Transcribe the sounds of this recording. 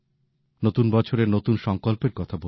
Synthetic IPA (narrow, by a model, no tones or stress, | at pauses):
not̪unbɔt͡ɕʰoɾenot̪unʃɔŋkolpeɾkɔt̪ʰabo